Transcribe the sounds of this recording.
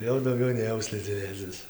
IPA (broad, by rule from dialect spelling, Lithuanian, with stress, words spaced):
ˈjɛʊ dɐʊˈɡʲɛʊ nʲeːˈjɛʊ sʲlʲɪd͡zʲɪˈnʲeːt͡sʲɪs